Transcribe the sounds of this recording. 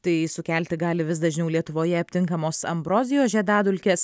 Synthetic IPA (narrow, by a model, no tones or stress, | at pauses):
t̪ɐɪsʊkʲɛˑlʲt̪ʲɪɡɑːlʲɪʋʲɪsd̪ɐʒʲnʲɛʊlʲiɛt̪ʊʋoːjɛɐppʲt̪ʲɪŋkɐmoːsɐ̰mbɾoːzʲɪjoːʒʲɛd̪ɑːd̪ʊlʲkʲeːs